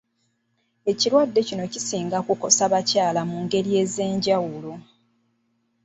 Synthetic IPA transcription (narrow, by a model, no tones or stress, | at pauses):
e̞cilwadːe̞cino̞cisiːŋɡakuko̞saβacaːlamuːŋɡe̞ɾie̞ːze̞ːɲɟawulo